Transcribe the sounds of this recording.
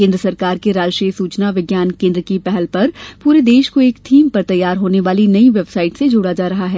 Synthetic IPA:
kẽːnd̪ɾəsɐɾkaːɾkeɾaːd͡ʒʃɾiːsuːt͡ʃnaʋɪɡjaːnkẽːnd̪ɾəkipɛɦɛlpɐɾpuːɾed̪eːʃkoeːkt̪ʰiːmpɐɾt̪ɐjːaːɾɦoːneʋaːlinɐiʋebsaːɪʈsed͡ʒoːɽad͡ʒaːɾɐɦaɦɛː

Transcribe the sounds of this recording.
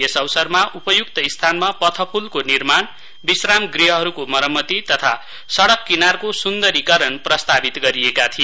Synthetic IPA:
esʌwsʌrmaʔupʌjukt̪ʌist̪ʰanmapʌt̪ʰʌpʰulkonirman | bisramɡriɦʌɦʌɾukomʌɾʌmːʌt̪it̪ʌt̪ʰa̰ | sʌɽʌkːinarkosund̪ʌɾikʌɾʌnprʌst̪abit̪ɡʌɾiekat̪ʰi

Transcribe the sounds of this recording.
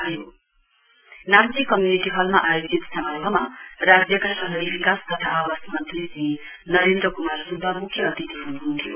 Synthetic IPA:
jo | naikːʌmjuniʈiɦʌlma̰ʔajod͡zit̪sʌmʌrbʱʌmarad͡zjʌkasʌɦʌɾibikast̪ʌt̪ʰaʔawasmʌnt̪risi | nʌɾend̪ɾʌkumarsubʱːʌmukʰjʌːt̪it̪iɦunuɦunt̪ʰijo̰

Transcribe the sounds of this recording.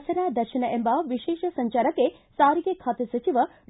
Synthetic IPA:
sɐɾaːd̪ɐɾʃɐnɐʔembɐʋiʃeːʃɐsɐɲt͡ʃaːɾɐkːe | saːɾiɡekʰaːt̪esɐt͡ʃiʋɐ

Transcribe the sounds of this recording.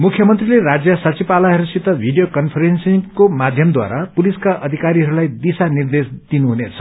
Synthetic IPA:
mukʰjʌmʌnt̪rilerad͡zjʌsʌt͡sipalaɦʌɾusit̪ʌbʱiɖijokʌnpʰʌɾensikomad̪ʱjʌmd̪wa̰ɾapuliskaʔʌd̪ʱikaɾiɦʌɾulajd̪isanird̪esd̪inuɦunet͡sʰʌ̥

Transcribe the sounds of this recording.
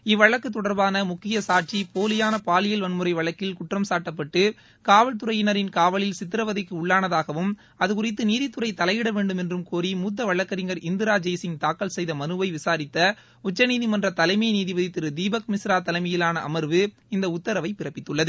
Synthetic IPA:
ɪʋːɐɭɐkːɯt̪ːɔɽɐɾbaːnɐmʊkːɪjɐsaːʈ̚t͡ʃipoːlɪjaːnɐpaːlɪjɐlʋɐnmɯɾɐɪʋɐɭɐkːɪlkʊʈrɐmsaːʈːɐpːɐʈːɯ | kaːʋɐɭt̪ɯɾɐjɪnɐɾɪnkaːʋɐɭɪlsɪt̪ːɪɾɐʋɐðɪkːɯʊɭːaːnɐðaːɣɐʋɯm | ɐðɯkʊrɪt̪ːɯniːðɪt̪ːɯrɐɪt̪ɐlɐɪʋɪɽɐʋeːɳɖɯmɛndrɯmkoːɾimuːt̪̬ːɐʋɐɭːɐkːɐɾɪŋɡɐɾɪnd̪ɪɾaːd͡ʒɐjsɪŋt̪aːkːɐlsɛjðɐmɐnɯʋɐɪʋɪsaːɾɪt̪ːɐ | ʊt͡ʃːɐniːðimɐndrɐt̪ɐlɐɪmɐjniːðɪʋɐðɪt̪ːɪɾɯd̪iːbɐkmɪsɾaːt̪ːɐlɐɪmɐjɪlaːnɐʔɐmɐɾʋɯ | ɪnd̪ɐʊt̪ːɐɾɐʋɐɪpɪrɐpːɪt̪ːɯɭːɐðɯ

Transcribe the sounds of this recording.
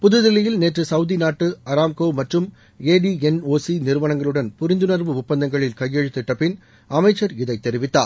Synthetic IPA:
pʊðɯðɪlɪjɪlneːʈrɯsɐʊðinaːʈːɯɐɾaːmkoːʋmɐʈrɯm | eːɖiɛnoːsinɪɾɯʋɐɳɐŋɡɐɭɯɽɐnpʊɾɪnd̪ɯnɐɾʋɯʊpːɐnd̪ɐŋɡɐɭɪlkɐjːɛɻɯt̪ːɪʈːɐpːɪn | ɐmɐɪt͡ʃːɐɾɪðɐɪt̪ːɛɾɪʋɪt̪ːa̰ːɾ

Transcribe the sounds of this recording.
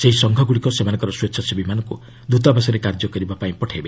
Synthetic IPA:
seɦisɔŋɡʱɔɡuɽikɔsemanɔŋkɔɾɔswetsʰɔsibimanɔŋku | d̪ut̪̬abasɔɾekaɾd͡ʒɔkɔɾibapaĩpɔʈʰajbe

